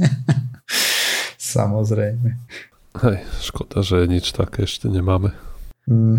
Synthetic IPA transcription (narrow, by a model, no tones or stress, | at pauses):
sa̰mɔzɾɛjmɛ | hɛjʃkɔd̪̥aʒɛɲit͡ʃt̪akɛɛʃcɛɲɛmaːmɛ